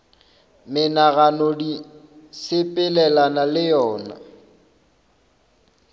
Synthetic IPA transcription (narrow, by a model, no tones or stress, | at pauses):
mɪnaɣanɔdi | sɪpʼɪlɛlanalɪjɔːna̰